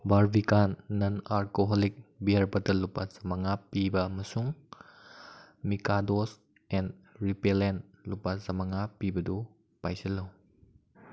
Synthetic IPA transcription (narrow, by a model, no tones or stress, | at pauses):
baɾbikanːɐnaɾkoɦolik̚biɐɾbɐtɐlupazɐmaŋapibɐːmɐsuŋ | mikados | ɛnɾipelenlupazɐmaŋapibɐdu | pajsɐlɐw